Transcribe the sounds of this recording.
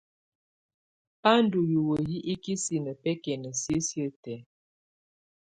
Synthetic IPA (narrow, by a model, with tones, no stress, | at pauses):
pa˦n˦du˨ju˨wə˨ji˦ʔi˦ki˦si˦nə˨pɛ˦kɛ˨nə˨sjə˦sjə˦tɛ˨˦